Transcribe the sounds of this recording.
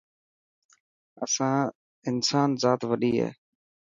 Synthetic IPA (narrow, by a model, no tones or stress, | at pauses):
ə̰sãː | ɪnsaːnzaːt̪ʋəɗiːɦḛː